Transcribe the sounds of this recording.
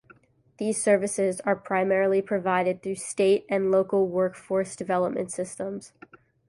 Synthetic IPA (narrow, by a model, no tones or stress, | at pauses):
ðiz̥sɜ˞vɨsɪzə˞pʰɹ̥aɪmɛɹl̩ˠipʰɹ̥ɨvaɪɾɨd̪̚θɹʉsteɪɾɨ̃nloʊkl̩ˠwɜ˞kfɔɹsd̥ɨvɛlˠəp̚mɨ̰̃ntsɪstə̃mz̥